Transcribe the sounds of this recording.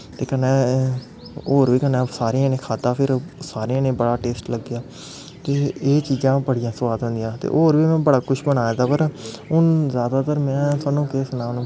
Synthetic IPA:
t̪eːkənɛ̃ː | oːɾʋiːkənɛ̃ːsaːɾeãːnẽːkʰaːd̪aːpʰɪɾsaːɾeãːnẽːbəɽaːʈeːsʈləɡːjaː | t̪eːeːt͡ʃiːzãːbəɽɪjãːsəʋaːd̪ɦʊ̃nd̪ɪjãːt̪ḛːʔoːɾʋiːmɛ̃ːbəɽaːkʊʃbənaːɛːd̪aːpəɾʊnzjaːd̪aːt̪əɾmɛ̃ːsaːnũːkeːsnaːʋnũː

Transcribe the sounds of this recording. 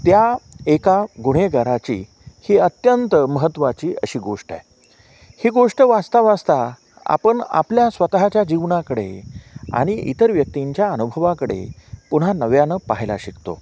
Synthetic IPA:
t̪jaekaɡuɽ̤eɡaɾat͡ɕi | hiːət̪jənt̪əməɦət̪ːʋat͡ɕiːəɕiːɡoʂʈa̰j | hiːɡoʂʈəʋast̪aʋast̪a | a̰pəɳa̰pljasʋət̪ɦat͡ɕjad͡ʑiʋɳakəɽḛa̰ɽ̃iḭt̪əɾʋjək̚t̪iɲt͡ɕjaənubʱəʋakəɽḛpuɽ̤anəʋjanəpaɦjla̰ɕikt̪o̰

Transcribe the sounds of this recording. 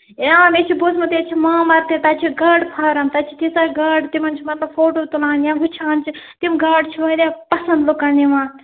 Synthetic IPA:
jaːmet͡ʃʰibosmɐt̪et͡ʃʰimaːmɐɾt̪et̪at͡ʃʰiɡɐɽpʰaːɾɐmt̪ɐt͡ʃʰit̪isaɡɐɖt̪imɐnt͡ʃʰimɐt̪lɐbfoːʈoːt̪ulaːnjãːɦut͡ʃʰaːnt͡ʃʰit̪imɡɐɖt͡ʃʰiʋɐd̪epɐsɐnd̪lukanimaːt̪

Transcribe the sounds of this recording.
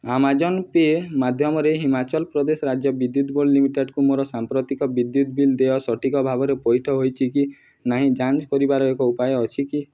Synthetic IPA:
amad͡ʒɔnpemad̪ʱjɔmɔɾeɦimat͡ʃɔlpɾɔd̪esɔɾad͡ʒjɔbid̪jut̪bollimiʈeɖkumoɾɔsampɾɔt̪ikɔbid̪jut̪bild̪eɔsɔʈikɔbʱabɔɾepɔjʈʰɔɦojt͡ʃʰiki | naɦĩd͡ʒant͡ʃkɔɾibaɾɔekɔupajɔːt͡ʃʰiki

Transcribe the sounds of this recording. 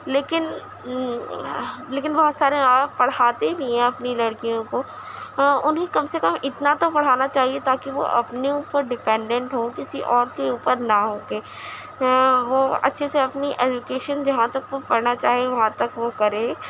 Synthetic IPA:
leːkɪn | leːkɪnbɔɦt̪saːɾeaːpɐɽ̤aːt̪ebʱiɦɛ̃ɐpnilɐɽkijõko | ʊnɦẽkɐmsekɐmɪt̪nat̪opɐɽ̤aːnat͡ʃaːɦiet̪aːkiʋo̰ʔɐ̰pneuːpəɾɖɪpɛ̃ːɳɖɛ̃ɳʈɦõkɪsiʔɔːɾkeuːpəɾnaɦoːɡeː | ʋoːɐ̰tːʃʰeseɐpniʔɛːd͡ʒukeːʃənd͡ʒɐɦãt̪ɐkʋopɐɾnat͡ʃaːɦieʋɐɦãt̪ɐkʋokɐɾẽ

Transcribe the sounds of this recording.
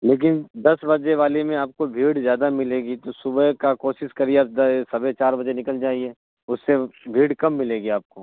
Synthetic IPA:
leːk̬ɪnd̪ɐsbɐd͡ʒeʋaːlimẽaːp̚kobʱiːɽzjaːd̪amɪleːɡit̪osʊbəkakoːʃɪskɐɾieaːpd̪sɐbet͡ʃaːɾbɐd͡ʒenɪkəld͡ʒaːɦie | ʊsːebʱiːɽkɐmːɪleːɡiaːp̚koː

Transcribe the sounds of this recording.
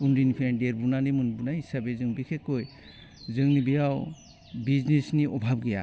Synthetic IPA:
unɾinipʰeendeɾbunanimɯnbunaisabezɯŋbikʰekoj | zɯŋnibijaw | biznesniɔbʱab̚ɡija̰

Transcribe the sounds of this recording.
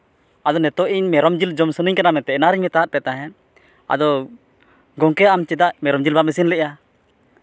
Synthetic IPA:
ad̪ɔnɛt̪ɔʔiɲmɛɾɔmd͡ʒild͡ʒɔmsənəɲkanamɛt̪ɛɛnaɾiɲmɛt̪aɦat̪̚pɛt̪aɦɛn | a̰d̪ɔ | ɡɔŋkɛamt͡ʃɛd̪aʔmɛɾɔmd͡ʒilbamisinlɛʔja

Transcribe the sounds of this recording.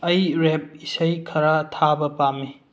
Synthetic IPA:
ɐjɾep̚isəjkʰɐɾatʰabɐpami

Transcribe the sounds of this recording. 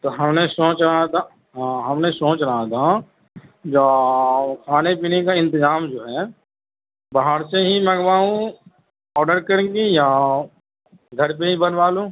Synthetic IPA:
t̪oɦɐmnesõːt͡ʃɾəɦat̪ʰa | ɦãɦɐmnesõːt͡ʃɾəɦat̪ʰa | d͡ʒa | kʰaːnepiːnekaɪ̃nt̪ɪzaːmd͡ʒoːɦɛː | baɦəɾseɦimɐɡʋaːũ | ɔːɾɖəɾkəɾɡija | ɡʱɐɾp̬eɦibɐnʋaːlũ

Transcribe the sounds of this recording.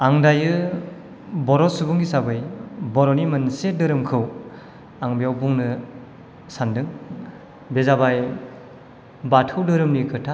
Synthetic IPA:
aŋdajɯ | bɔɾɔsubuŋisabɯjbɔɾɔnimɯnsedɯɾɯmkʰɯw | aŋbejawbuŋnɯ | sandɯŋ | bezabaj | batʰɯwdɯɾɯmnikʰɯtʰa

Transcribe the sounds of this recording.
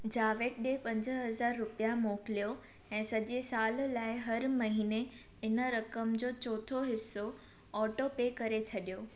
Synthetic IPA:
d͡ʑaːʋeːʈ̚ɗepɐ̃ɲd͡ʑəɦɐzaːɾːʊpijamoːkɪlijo | ɛ̃ːsɐʄesaːllaːɪɦɐɾmɐɦiːne | ɪnəɾɐkəmd͡ʑoːt͡ɕɔːt̪ʰoɦɪsːo | ɔːʈopeːkɐɾet͡ɕʰɐɗijoː

